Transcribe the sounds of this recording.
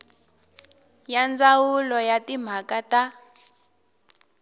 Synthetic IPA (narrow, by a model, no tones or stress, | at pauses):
jand͡zawulɔjatim̤ʱakata